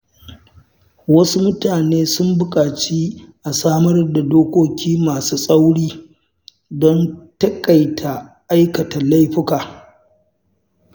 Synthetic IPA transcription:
wɐ˦su˦mʊ˦taː˨neː˦sʊ˦mbʊ˦kʼaː˨t͡ʃi˦ʔa˨saː˦mɐ˦rda˨doː˦kʷoː˦kʲʰiː˦maː˨suː˦sʼa˦wɽiː˦ | dɔ˦ntɐ˦kʼɐ˨jtʰa˨ʔa˦jkɐ˨ta˨la˦jɸɪ˦kaː˨

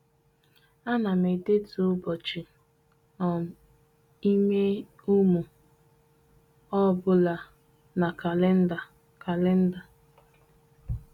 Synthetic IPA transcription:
a˦na˨me˨de˦tu˨ʊ˦bɔ˨t͡ʃi˨ | ɔ˨m̩˨ | i˦me˦ | u˦mu˨ | ɔ˦bʊ˦la˨ | na˨ka˨le˦n̩˦da˨ | ka˨le˦n̩˦da˨

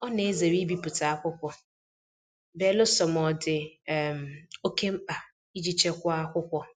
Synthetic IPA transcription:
ɔ˦ne˨˦ze˨ɾi˦bi˨pʊ˨ta˨a˦kʷʊ˦kʷɔ˨ | be˦lʊ˦sɔ˨m˨ɔ˨dɪ˨m̩˨o˦ke˦m̩˦k͡pa˨ | i˦d͡ʒi˨t͡ʃe˦kʷɔ˦a˦kʷʊ˦kʷɔ˨

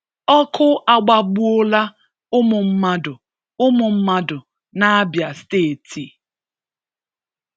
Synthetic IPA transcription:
ɔ˦kʰʊ˦a˨ɡ͡ba˨ɡ͡bu˦ʊ˦la˦ | ʊ˦mʊ˨m̩˦ma˦dʊ˨ | ʊ˦mʊ˨m̩˦ma˦dʊ˨ | na˦a˦bja˨steː˦˨tʰi˨

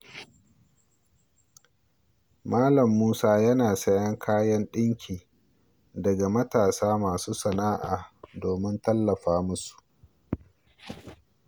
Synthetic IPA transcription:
maː˦lɐ˨mːuː˦saː˦jɐ˦naː˨sɐ˦jɐ˦ŋkʰaː˦jɐ˦nɗɪ˦ŋkʲʰiː˨ | dɐ˨ɡa˨mɐ˦taː˨saː˦maː˨suː˦sɐ˨naː˦ʔa̰ː˨doː˨mɪ˦ntɐ˦lːɐ˨ɸaː˦mʊ˦su̥˨ʔ

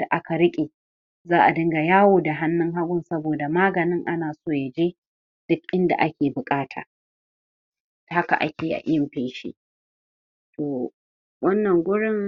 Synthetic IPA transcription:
d̥a˨ʔa˦ka˨ɾɪ˦kʲʼeː˨ | zaː˦ʔa˨dɪ˦ŋɡa˨jaː˦woː˨da˨ɦa˦nːɪ˦ŋɦa˦ɡʷʊ˦nsɐ˦boː˨da˨maː˦ɡɐ˨nɪ˦ŋʔa˦naː˨soː˦˨ja˨d͡ʒeː˦ | d̥ʊ˦kʔɪ˦nda̰˨ʔa˦kʲeː˨bʊ˨kʼaː˦tʰa̰ː˨ | tha˦ka̰˨ʔa̰˦kʲeː˨ʔa̰˨ʔɪ˦jɪ˨mɸeː˦ʃḛː˦ | toː˨ | wʔɐ˦nːɐ˨ŋɡʷʊ˦ɽɪ˦ŋ

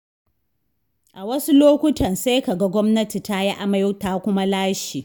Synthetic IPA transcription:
ʔa˨wɐ˦su˦loː˦kʷʊ˦tʰɐ˨nse˦jka˨ɡa˦ɡʷɔ˦mnɐ˦ti˨ta˦ji˦ʔa˦ma˦jʊ˦ta˦kʷʊ˦ma˦laː˦ʃiː˨

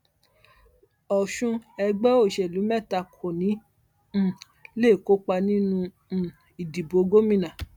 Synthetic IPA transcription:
ɔ˨ʃũ˧ɛ˧ɡ͡bɛ˦o˦˨ʃɛ˨lu˨˦mɛ˦˨ta˧kʰo˨nĩ˨˦˨ | le˦˨ko˦k͡pa˧nĩ˦nũ˧˨ | i˨di˨bo˨˦ɡo˦mĩ˦˨nã˨

